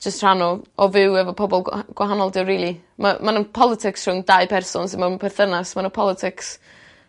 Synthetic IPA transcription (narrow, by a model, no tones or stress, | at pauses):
d͡ʒ̥əstr̥anɔɔvɪwɛvɔpʰɔbɔlˠɡ̥waɦanɔlˠdɪwriːlˠi | mamanənpʰɔlˠɪtʰɪksr̥ʊŋdajpʰɛrsɔnsɪnmapʰɛrθənasmanənpʰɔlˠɪtʰɪks